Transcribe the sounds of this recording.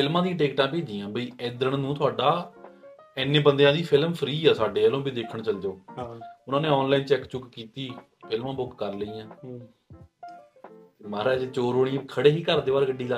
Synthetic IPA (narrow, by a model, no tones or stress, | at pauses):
pʰɪlmãːd̪ĩãːʈeːkʈãːp̬eːd͡ʒiːãːbiːɛːd̪əɾəɳnũːt̪ʰʊaːɖaː | ɛːnːẽːbənd̪jãːd̪iːpʰɪlmpʰəɾiːaːsaːɖeːəlõːbid̪eːkʰəɳt͡ʃəld͡ʒoːʊnãːnẽːɔːnlaːiːnt͡ʃɛːkt͡ʃʊkkiːt̪iː | pʰɪlmãːbʊkːəɾləiːãː | t̪eːmaːɾaːd͡ʒet͡ʃoːɾɦoːɽĩːkʰəɽeːɦiːkəɾd̪eːʋaːɾɡəɖːiːlaː